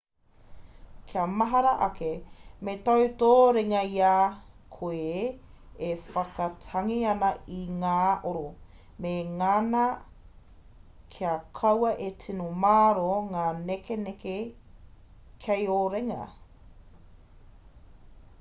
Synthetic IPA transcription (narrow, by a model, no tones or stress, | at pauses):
kʰiɐmɐɦɐɾɐʔɐkemetɐwtoːɾeŋɐiaːkʰoe | efɐkɐtʰɐŋiɐnɐiŋaːʔoɾo | meŋanɐ | kʰiɐkʰɐwɐʔetʰinomaːɾoŋaːnekeneke | kʰejoɾeŋɐ̰